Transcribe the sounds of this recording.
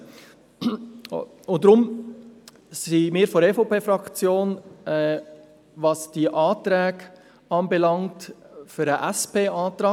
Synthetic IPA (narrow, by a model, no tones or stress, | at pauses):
ʊdɾʊm | simɪːɾfoɾɛfopʰeːfɾɑkt͡sjoːnɛ | vɑsd̥iʔɑːtɾɛːk | ɑːnbɛlɑŋtføɾəʔæspʰeːɑːtɾɑː